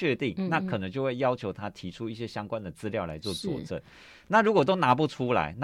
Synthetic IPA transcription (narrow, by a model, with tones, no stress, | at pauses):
ɛ˥˧t̪i˥˩ŋna˥˩kʰɤ˨˩nə˧˦ŋt͡ɕjo˥˧we˥˩ɪjɑ˥ʊt͡ɕʰjo˧˥ʊt̪ʰa˥t̪ʰi˧˥ʈ͡ʂʰu˥i˥˩ɕjɛ˦˥ɕjɑ˥ŋkwa˥˦nd̪ə˨t͡sɹ̩˥ljɑ˥˩ʊla̰˧˥ɪt͡swɔ˥˩t͡swɔ̰˨˩ʈ͡ʂə̰˥˩n | na˥˩ɻu˧˥kwɔ˨˩t̪̬o˥ʊna˧˥p̬u˥˩ʈ͡ʂʰu˥la̰˧˥˦ɪn˥